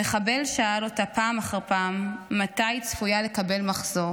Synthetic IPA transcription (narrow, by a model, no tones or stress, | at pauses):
eχabe̞lʃaalotapaːmaχaʁpaːmːatajt͡sfujale̞kabe̞lmaχz̥o